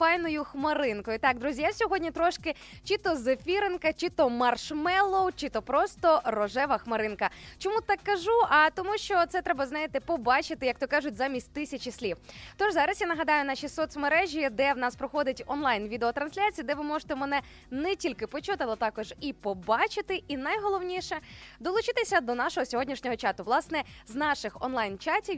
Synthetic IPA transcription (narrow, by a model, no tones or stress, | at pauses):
fajnɔjʊxmɐɾɪnkɔjʊt̪ɑk̚d̪ɾuzʲijawsʲɔɦɔdʲnʲit̪ɾɔʃkɪ | t͡ʃit̪ɔzɐfʲiɾenkɐt͡ʃit̪ɔmɐrʃmɛlˠɔwt͡ʃit̪ɔpɾɔst̪ɔrɔʒɛʋɐxmɐɾɪnkɐt͡ʃɔmut̪ɑkːɐʒuʔɐt̪ɔmuʃt͡ʃɔt̪sɛt̪ɾɛbɐznɑjɪt̪ɪpɔbɑt͡ʃɪt̪ɪjɐkt̪ɔkaʒʊtʲzamʲisʲtʲt̪ɪsʲɐt͡ʃisʲlʲiwt̪ɔʒzɑɾɐsjanɐɦɐd̪ɑjʊnaʃisɔt̪smeɾɛʒʲid̪ɛwnɑspɾɔxɔd̪ɪtʲɔnlˠajnʋʲid̪eɔt̪ɾɐnsʲlʲat͡sʲijid̪ɛʋɪmɔʒɪ̥t̪ɛmɛnɛ | nɛtʲilʲkɪpɔt͡ʃut̪ɪɐlˠɛt̪ɑkɔʒipɔbɑt͡ʃɪt̪ɪʔinɐjɦɔlˠɔwnʲiʂɛd̪ɔlˠʊt͡ʃɪt̪ɪsʲɐd̪ɔnɑʃɔɦɔsʲɔɦɔdʲnʲiʃnʲɔɦɔt͡ʃɑt̪ʊʋlˠɑsnɛznɑʃɪxɔ̰nlˠajnt͡ʃatʲi